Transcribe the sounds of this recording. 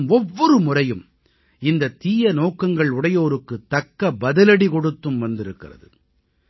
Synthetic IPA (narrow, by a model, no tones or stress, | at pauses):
mɔʋːɔɾɯmʊrɐjɯm | ɪnd̪ɐt̪iːjɐnoːkːɐŋɡɐɭʊɽɐjoːɾɯkːɯt̪ːɐkːɐbɐðɐlɐɽikɔɽɯt̪ːɯmʋɐnd̪ɪɾɯkːɪrɐ̰ðɯ̰